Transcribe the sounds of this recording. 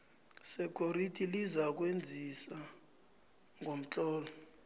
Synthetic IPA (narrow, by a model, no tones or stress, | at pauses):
sɛkʰʼoɾitʰʼilizak̬wend͡zʱisa | ŋʱom̩tʼɔːla